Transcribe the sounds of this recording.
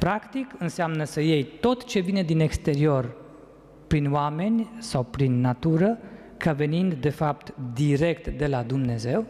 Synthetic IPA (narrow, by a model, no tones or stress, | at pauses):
pɾakt̪ikɨnseamnəsəje̞jt̪o̞t̪t͡ʃe̞vine̞d̪ine̞kst̪e̞ɾio̞r | pɾinwame̞nʲsawpɾinːat̪uɾə | kave̞nind̪d̪e̞fap̚t̪d̪iɾe̞kt̪d̪e̞lad̪umne̞ze̞w